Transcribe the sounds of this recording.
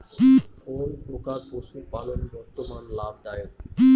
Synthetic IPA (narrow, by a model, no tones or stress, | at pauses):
onpɾokaɾpoʃupalonbɔɾt̪omanlab̚d̪aje